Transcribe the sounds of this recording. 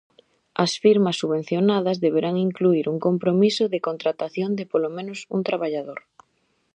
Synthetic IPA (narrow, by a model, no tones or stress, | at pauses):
ɐsfiɾmɐsːuβẽn̟θjonað̞ɐzðeβeɾaŋiŋkluiɾuŋkompɾomisʊðɪkont̪ɾat̪aθjond̪ɪpolomẽnʊsunt̪ɾaβaʎaðoɾ